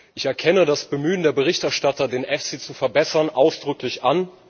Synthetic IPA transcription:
ʔɪçɛɐkʰɛnədasb̥əmyːəndeːɐbəʁɪçtɛɐʃtatɐdeːnʔɛfsit͡sufɛɐbɛsɐnʔaʊsd̥ʁʏklɪçʔan

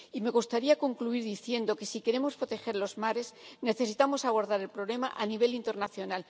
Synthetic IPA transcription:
ime̞ɣ̞ust̪aɾiako̞ŋkluiɾðiθje̞nd̪o̞ke̞sike̞ɾe̞mo̞spɾo̞t̪e̞xe̞ɾlo̞zmaɾe̞zne̞θe̞sit̪amo̞saβo̞ɾðaɾe̞lpɾo̞βle̞ma̰ʔaniβ̞e̞lint̪e̞ɾnaθjo̞nal

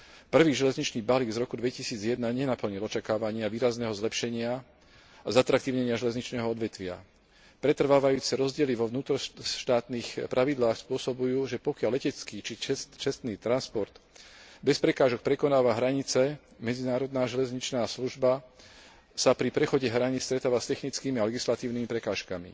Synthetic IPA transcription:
pr̩ʋiːʒɛlɛzɲit͡ʃniːbaliɡzɾɔkud̪ʋɛcisiːd͡zɪjɛd̪naɲɛnapl̩ɲilɔt͡ʃakaːʋaɲɪaʋiːɾaznɛːɦɔzlɛpʃɛɲɪa | azat̪ɾak̚t̪iːʊɲɛɲɪaʒɛlɛzɲit͡ʃnɛːɦɔɔd̪ʋɛt̪ʋɪa̰ | pɾɛt̪r̩ʋaːʋajuːt͡sɛɾɔzɟɪɛliʋɔʋnuːt̪ɾɔʃt̪aːt̪niːxpɾʔaʋid̪laːxspʊɔsɔbujuːʒɛpɔkɪalːɛcɛt͡skiːt͡ʃit͡ʃɛt͡ʃɛst̪niːt̪ɾanspɔɾt̪bɛspɾɛkaːʒɔk̚pɾɛkɔnaːʋaɦɾaɲit͡sɛ | mɛd͡zinaːɾɔd̪naːʒɛlɛzɲit͡ʃnaːsluʒba | sapɾipɾɛxɔɟɛɦɾaɲist̪ɾɛt̪aːʋast̪ɛxnit͡skiːmialɛɡislat̪iːʊnimipɾɛkaːʃkamḭ

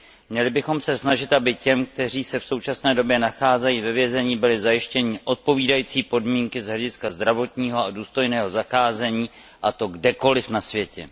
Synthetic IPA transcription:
mɲɛlɪbɪxo̞msɛsnaʒɪt̪ʔabɪcɛmk̚t̪ɛr̝iːsɛfso̞wt͡ʃasnɛːdo̞bjɛnaxaːzɛjiːvɛvjɛzɛɲiːbɪlɪzajɪʃcɛɲɪʔo̞t̪̚po̞viːdajiːt͡siːpo̞dmiːŋkɪzɦlɛɟɪskazd̪ɾavo̞t̪ɲiːɦo̞aduːst̪o̞jnɛːɦo̞zaxaːzɛɲiː | ʔat̪o̞ɡdɛko̞lɪfnasvjɛcɛ̰

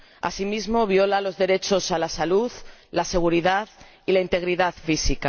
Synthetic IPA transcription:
a̰simizmo̞β̞jo̞lalo̞zðe̞ɾe̞t͡ʃo̞salasaluðlase̞ɣ̞uɾiðað | ilaint̪e̞ɣ̞ɾiðaðfisika

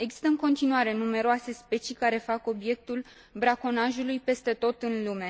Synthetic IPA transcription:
eɡz̥i̥st̪əɨŋko̞nt̪inuaɾe̞nume̞ɾoase̞spe̞t͡ʃikaɾe̞fako̞bje̞k̚t̪ul | bɾako̞naʒulujpe̞st̪e̞t̪o̞t̪ɨnlume̞

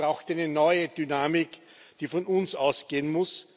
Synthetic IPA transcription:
ʁaʊxtæɪnənɔʏəd̥ynaːmɪk | d̥iːfɔnʊnsa̰ʊsɡ̥eːənmʊs

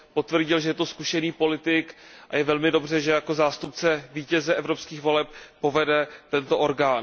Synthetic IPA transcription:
po̞t̪vr̩ɟɪlʒɛjɛt̪o̞skuʃɛniːpo̞lɪt̪ɪkʔa̰jɛvɛlmɪdo̞br̝ɛʒɛjako̞zaːst̪up̚t͡sɛviːcɛzɛʔɛvɾopskiːxvo̞lɛp̚po̞vɛdɛt̪ɛnt̪oʔo̞ɾɡaːn

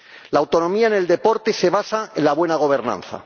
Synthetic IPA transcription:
laːwt̪o̞nõ̞miaene̞ld̪e̞po̞ɾt̪e̞se̞β̞asaẽnlaβ̞we̞naɣ̞o̞β̞e̞ɾnã̰nθa̰

